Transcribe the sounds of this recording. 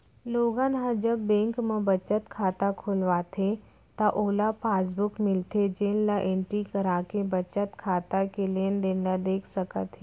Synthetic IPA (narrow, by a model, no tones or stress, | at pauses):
loːɡãnɦãd͡ʒəbːẽːŋkmẽbɐt͡ʃət̪kʰaːt̪akʰoːlʋaːt̪ʰe | t̪aʔoːlapʰaːs̬bʊkmɪlt̪ʰed͡ʒeːnlaʔẽːɳʈɾikəɾaːkebɐt͡ʃət̪kʰaːt̪akelend̪eːnad̪eːkʰsəkət̪ɦ